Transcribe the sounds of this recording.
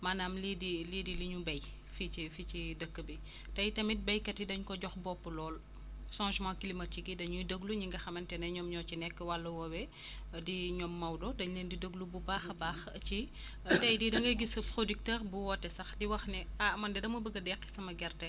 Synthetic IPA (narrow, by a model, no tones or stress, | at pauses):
manaːmlidilidiliɲubɐj | fiifit͡ʃidəkːəbi | tɐjtɐmit̚bɐjkɐtidɐɲkɔɟɔxbɔpːəlɔːl | ʃãːʒmãkilimɐtiɡidɐɲudəɡluɲiŋɡɐxɐmɐntɛnɐɲɔːmɲɔt͡ʃinɛkːəwɐlːɐwɔwɛ | diɲɔmːɐwdɔdɐɲləndidəɡlububaːxɐbaːxɐt͡ʃi | tɐjdidɐŋɡɐjɡispɾodik̚təːɾbuwɔtːɛsɐxdiwɐxnɛamɐndɛdɐmubəɡɐdɛkːi̥sɐmɐɡɛrtɐ